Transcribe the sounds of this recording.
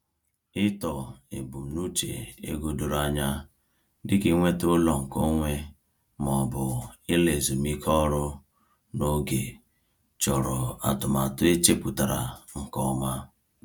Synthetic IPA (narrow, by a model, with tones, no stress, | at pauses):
ɪ˦tɔ˨ḛ˨bu˨m̩˨nu˦t͡ʃḛ˨ḛ˦ɡo˦do˨ɾa˨ɲa˦ | dɪ˦kɪ˦ŋʷe˦tʊ˦lɔ˨ŋ̩˨ko˦ŋʷe˦ | mɔ˨bʊ˨ɪ˦le˨zu˨mi˦kʰɔ˦ɾʊ˦ | no˦ɡe˨ | t͡ʃɔ˨ɾɔ˨a̰˨tʊ˨ma˨tʊ˦e˦t͡ʃe˦pu˨ta˨ɾa̰˨ŋ̩˨kɔ˦ma˦